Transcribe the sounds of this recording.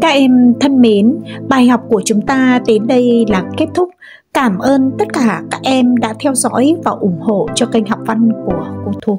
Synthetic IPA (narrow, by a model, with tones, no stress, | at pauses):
kaː˦˥k̚ʔɛ˧mt̪ʰə˧nme˨˦nɓaː˨˩jha˨˩wk͡p̚ku˧˩ət͡ɕʊ˨˦ŋ͡mt̪aː˧t̪e˨˦nɗə˧jlaː˨˩ke˦˥t̚t̪ʰʊ˦˥k͡p̚ | kaː˧˩mʔəː˧nt̪ə˦˥t̚kaː˧˩kaː˦˥k̚ʔɛ˧mɗa̰ː˧˥t̪ʰɛ˧wzɔ̰˧˥jvaː˨˩wʔʊ˧˩ŋ͡mho̰˧˨t͡ɕɔ˧ka˧jŋ̟ɦa˨˩wk͡p̚va˧nku˧˩əko˧˩t̪ʰu˧˩